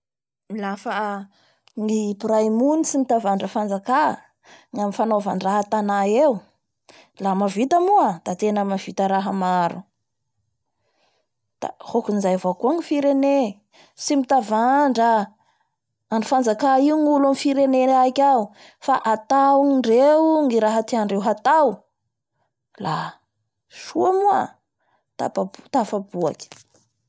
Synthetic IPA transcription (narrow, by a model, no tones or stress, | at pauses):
milafa | ŋipuɾajmunisimit̪avaɳɖ͡ʐəfand͡zaka | ŋamifanovaɳɖ͡ʐaɦat̪anaewu | lamavit̪amuad̪̥at̪enamav̥it̪əɾaɦəmaɾu | d̪̥a̰hokunizajvokuaŋifiɾene | simit̪avaɳɖ͡ʐə | aɳɖ͡ʐifand͡zakaiuŋulamifiɾeneakʲau | faʔat̪awŋiɳɖ͡ʐewŋiɾaɦat̪iaɳɖ͡ʐewɦat̪aw | la | ʃuamua̰ | t̪a̰pat̪afabua̰ki̥